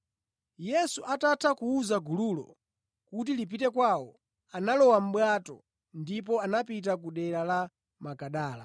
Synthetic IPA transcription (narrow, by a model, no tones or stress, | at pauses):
jɛsuʔatatʰakuuzaɡululɔ̰ | kut̬ilip̬itɛkwawɔ | analɔwam̩ɓwatɔ̰ | ndip̬ɔanapit̬akuɗɛɾala | makaɗaːla̰